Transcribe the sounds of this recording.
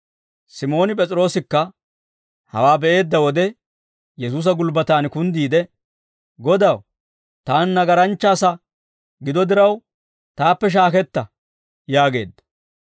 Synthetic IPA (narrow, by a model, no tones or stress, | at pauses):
sɪmo̞ːnɪpʼɛt͡sʼɪɾo̞ːsɪkːɐ | hɐ̰waːbɛʔe̞ːd̪ːɐwɔd̪ɛ | jɛsuːs̬ɐɡʊlbɐt̪aːnkʊnd̪iːd̪ɛ | ɡɔd̪ɐw | t̪aːnːɐɡɐɾɐnt͡ʃːaːsɐ | ɡɪd̪ɔd̪ɪɾɐw | t̪aːpːɛʃ̬aːkɛt̪ːɐ | jaːɡe̞̰ːd̪ːɐ̥